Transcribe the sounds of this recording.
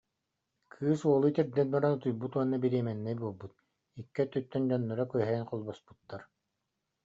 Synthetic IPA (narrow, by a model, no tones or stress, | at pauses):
kʰɯːsuɔlˠut̪iɾd̪ɛn̚baɾanɯt̪ujbut̪uɔnːabiɾiɛmɛnːɛjbuɔlˠbut̪ | ikːɛt̪yt̪ːœnd͡ʑɔnːɔɾakyɦɛːnqɔlˠbɔspu̥t̪ːaɾ